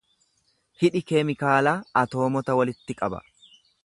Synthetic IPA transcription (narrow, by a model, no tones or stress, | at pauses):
hɪᶑɪkeːmɪkaːlaːɐt̪o̞ːmɔt̪ɐwɐlɪt̪ːɪkʼɐbɐ̰